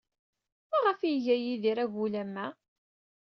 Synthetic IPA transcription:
mæʁəfiʝæjiðiɾæɣulæmːæ

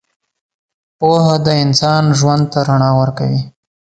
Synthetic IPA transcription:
poɦad̪əɪnsɑnʒwand̪̚t̪aɾaɳɑwəɾka̰wi

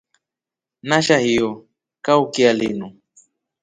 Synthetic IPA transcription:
naʃahio | kawkialḭnʊ

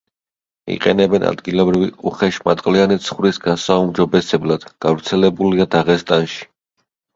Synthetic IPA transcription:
ḭqʼɛ̰nɛbɛna̰d̪ɡilˠɔbɾiviʔuχɛʃmat̪ʼqʼlianit̪sʰχvɾisɡasaumd͡ʒɔbɛsɛblˠad̪̥ɡ̥avɾt̪sʰɛlɛbuliad̪aʁɛst̪ʼanʃi̥

